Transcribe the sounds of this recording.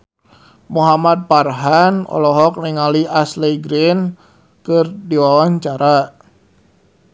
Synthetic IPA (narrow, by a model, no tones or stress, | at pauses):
muɦamat̪̚parɦanɔ̰lɔɦɔk̚niŋaliʔasleɡɾɪn | kɨrdiwawaɲt͡ʃaɾa